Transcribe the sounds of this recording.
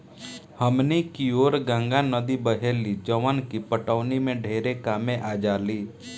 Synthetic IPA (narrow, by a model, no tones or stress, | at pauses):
həmnikioːɾɡãːŋɡanəd̪ibəɦeːlid͡ʒəʋənkipəʈəʋnimẽɖʱeːɾekaːmẽʔaːd͡ʒaːliː